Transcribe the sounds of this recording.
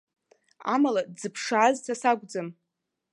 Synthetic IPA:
a̰malad͡zɨpʰʂaːztʰasaɡʷd͡zɨm

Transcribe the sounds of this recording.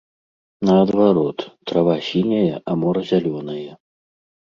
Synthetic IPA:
nɐːd̪vaɾɔt̪ːɾavasʲinʲɐjɐʔamɔɾɐzʲalʲɔnɐjɐ

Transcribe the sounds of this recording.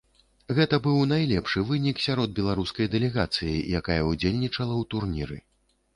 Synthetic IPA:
ɣɛt̪ɐbɨwnajlʲɛpʂɨvɨnʲiksʲaɾɔd̪̚bʲɛlˠaɾuskɐjd̪ɛlʲɛɣat̪sɨjḭjakajɐud͡zʲelʲnʲit͡ʂɐlˠɐwt̪urnʲḭɾɨ̰

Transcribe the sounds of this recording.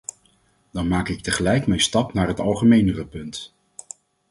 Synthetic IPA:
d̥ɑnmaːkɪk̚təχəlɛjkmɛjnstɑpnaːɹɦətɑlˠχəmejnərəpɵnt

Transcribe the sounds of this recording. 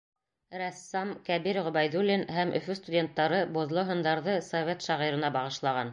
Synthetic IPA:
ɾæsːɑmkæbiɾʁɵ̆bæjðulʲːinhæmʔɵ̰̆fɵst̪udʲe̞nt̪ːɑɾɤbŏðlˠoɦɤ̆nd̪ɑɾðɤsovʲet̪ʃɑʁiɾɤ̆nɑbɑʁɤ̆ʃlˠɑʁɑn

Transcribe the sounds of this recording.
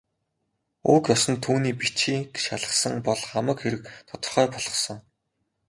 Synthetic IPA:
uːkjɔsɞ̆nt̪ʰuːniːpit͡ɕiːɡet͡ɕaɮə̆sə̆ŋpɔɮχamə̆kxeɾɘ̆kt̪ʰɔt̪ɞ̆rχœːpɔɮ̥ʁɞ̆χsɞ̆ŋ

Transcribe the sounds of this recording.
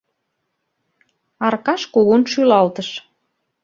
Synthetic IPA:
ɑrkɑʃkoɣunʃylɑlt̪əʃ

